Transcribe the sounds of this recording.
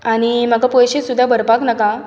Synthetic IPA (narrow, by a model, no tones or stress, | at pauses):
aɽ̃im̤aɡapojɕesud̪ʱːabʱəɾpaknaka